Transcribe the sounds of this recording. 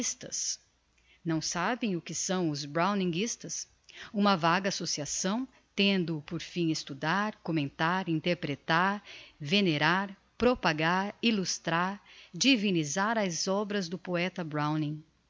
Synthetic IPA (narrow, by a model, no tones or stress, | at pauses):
st̪ɐs | nɐ̃w̃sabẽj̃ʊkɪsɐ̃w̃ʊzbɾãw̃nĩŋɡist̪ɐs | ũmɐvaɡɐasosiasɐ̃w̃ | t̪ẽnd̪ʊpoɾfĩest̪ud̪aɾkomẽnt̪aɾĩnt̪eɾpɾet̪aɾveneɾaɾ | pɾopaɡaɾilust̪ɾaɾd͡ʒivĩnizaɾɐzɔbɾɐzd̪ʊpoɛt̪ɐbɾãw̃nĩ